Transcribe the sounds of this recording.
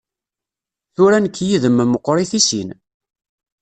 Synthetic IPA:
θuɾænəkːjiðəmːməqːɾˤiθisḭn

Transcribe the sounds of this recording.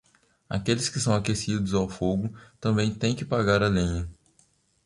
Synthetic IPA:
a̰kelɪskɪsɐ̃w̃akesid̪ʊzawfoɡʊt̪ɐ̃mbẽj̃t̪ẽj̃kɪpaɡaɾɐlĩɲɐ

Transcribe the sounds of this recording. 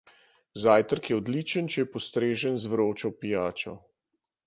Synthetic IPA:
zaːjt̪əɾkjɛɔd̪lit͡ʃənt͡ʃɛjɛpɔst̪ɾeːʒənzʋɾoːt͡ʃɔwpijaːt͡ʃɔ̰

